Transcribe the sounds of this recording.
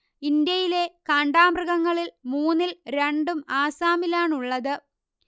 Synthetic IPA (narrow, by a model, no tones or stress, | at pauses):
ind̪jɐjile̞kaːɳɖaːmrɐɣɐŋːɐɭilmuːnːilɾeɳɖumaːsaːmilaːɳuɭːɐðɨ